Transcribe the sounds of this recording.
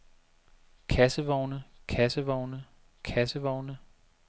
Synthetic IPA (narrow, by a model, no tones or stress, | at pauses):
kʰæsəʋɒʊnəkʰæsəʋɒʊnə | kʰæsəʋɒʊnə